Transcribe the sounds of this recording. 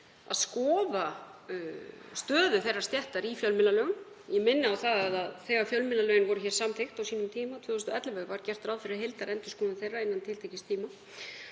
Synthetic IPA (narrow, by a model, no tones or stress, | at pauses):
a̰ðskɔːva | st̪œːðʏθejrːaɾ̥st̪jɛht̪aɾifjœlmɪnalœːɣʏn | jɛmɪnːɪawθaðaðaðθɛːɣaɾfjœlmɪlalœːɥɪnvɔɾʏçɛːɾ̥samt̪ʰejxt̪awsiːnʏmt̪ʰiːmat̪ʰvœːʏst̪ɛt̪lavɛpaɾcɛr̥t̪ɾaːwðfɪɾɪɾɦelt̪aɾɛnt̪ʏ̥skɔːnʏnθejraɪnːant̪ʰɪlt̪ʰejcɪst̪ʰiːma